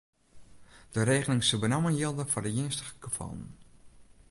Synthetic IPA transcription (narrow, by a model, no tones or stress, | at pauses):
d̥əreːɣənɪŋsəbənamənjɪlˠdəfɔrdəjɪənstə̥ɣə̥ɡ̥əfɔ̰lˠən̩